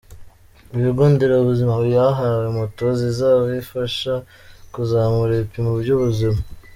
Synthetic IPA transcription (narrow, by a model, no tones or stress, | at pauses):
iβiɡoːndeɾauβuzimaβujaɦawemutozizaːβoifaʃa | kuzaːmuɾepimuuɟoβuzima